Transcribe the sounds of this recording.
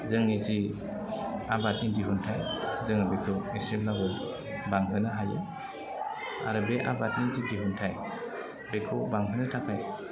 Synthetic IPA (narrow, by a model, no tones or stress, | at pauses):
zɯŋnizi | abat̚nidiɦuntʰajzɯŋabekʰɯesɾimlabɯ | baŋɦɯnɯɦajɯ̰ | a̰ɾɯbeʔa̰bat̚nizidiɦuntʰaj | bekʰɯbaŋɦɯnɯtʰakʰaj